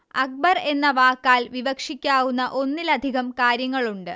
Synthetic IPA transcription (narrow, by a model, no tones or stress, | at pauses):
ɐk̚bɐre̞nːɐʋaːkːaːlʋiʋɐkʂikʲːaːwunːɐʔo̞nːilɐd̪ʱiɣɐmkaːɾjɐŋːɐɭuɳɖɨ